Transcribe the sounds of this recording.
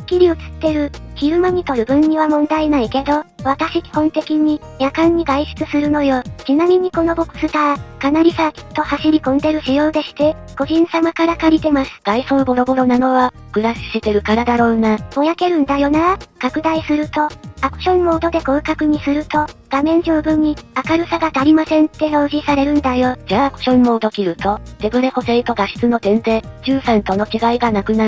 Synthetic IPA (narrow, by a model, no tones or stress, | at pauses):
kʲːiɾʲio̞t͡sɨ̥t̪ːe̞ɾɯ̟çiɾɯ̟maɲ̟it̪o̞ɾɯ̟bɯ̟̃ɲ̟ːɲiβamõ̞nd̪ainaike̞d̪o̞βat̪aɕikʲi̥hõ̞nt̪e̞kʲiɲ̟i | jakãɲ̟ːiɡaiɕɨ̥t͡sɨsɨɾɯ̟no̞jo̞t͡ɕinamʲiɲ̟iko̞no̞bo̞kɯ̟̥sɨt̪akanaɾʲisat̪o̞haɕiɾʲikõ̞nd̪e̞ɾɯ̟ɕijo̞ːd̪e̞ɕi̥t̪e̞ | ɡ̥o̞ʑĩɰ̃samakaɾakaɾʲit̪e̞masɨ̥ɡ̥aiso̞ːbo̞ɾo̞bo̞ɾo̞nano̞βa | kɯ̟ɾaɕi̥ɕit̪e̞ɾɯ̟kaɾad̪aɾo̞ːnamo̞jake̞ɾɯ̟̃nd̪ajo̞nakakɯ̟d̪aisɨɾɯ̟t̪o̞akɯ̟̥ɕõ̞nːo̞ːd̪o̞d̪e̞ko̞ːkakɯ̟ɲ̟isɨɾɯ̟t̪o̞ɡ̥amẽ̞ɲ̟d͡ʑo̞ːbɯ̟̃ɲ̟ːiakaɾɯ̟saɡad̪aɾʲimasẽ̞nt̪ːe̞no̞ːʑisaɾe̞ɾɯ̟̃nd̪ajo̞d͡ʑaːkɯ̟̥ɕõ̞nːo̞d̪o̞kʲiɾɯ̟t̪o̞d̪̥e̞bɯ̟ɾeho̞seit̪o̞ɡaɕi̥t͡sɨno̞t̪ẽ̞nd̪e̞d͡ʑɨːsãnt̪o̞no̞t͡ɕiɡaiɡanakɯ̟naɾɯ